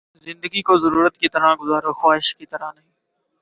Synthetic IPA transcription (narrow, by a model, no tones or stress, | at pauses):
zɪ̃nd̪əɡiːkoːzəɾuːɾət̪kiːt̪əɾ̤ãːɡʊzaːɾoːxwaːɪʃkiːt̪əɾãːnəɦĩː